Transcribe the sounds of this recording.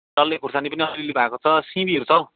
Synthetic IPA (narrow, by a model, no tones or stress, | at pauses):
ʈʌlːekursanipʌniʌɾilebʱaekot͡sʰʌsĩbiʌɾut͡sʰʌ